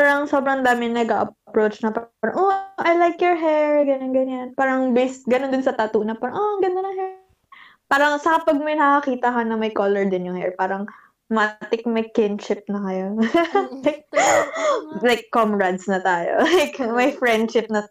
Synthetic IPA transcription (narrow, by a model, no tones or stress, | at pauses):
paɾɐŋsobɾɐŋd̪aːmɪnɐɡɐʔɐpɹowt͡ʃnɐpaɾɐŋʔoʔɐjlajkjɔɹɦɛɹɡɐnonɡɐɲanpaːɾɐŋbɛsɡɐnond̪ʊnsɐt̪aːt̪uːnɐpaɾɐŋʔoɡɐnonɐŋɦɛ | paːɾɐŋsɐkɐpɐɡ̚mɐjnɐkɐkiːt̪ɐkɐnɐmɐjkoːlɛɹd̪ɪnjʊŋhɛ̰ɹpaːɾɐŋ | mɐt̪ɪk̚mɐjkɪnʃɪp̚nɐkɐjolajk̚ | lajkːomɹɐd̪snɐt̪aːjo̰lajkmɐjfɹɛnd̪ʃɪp̚nɐ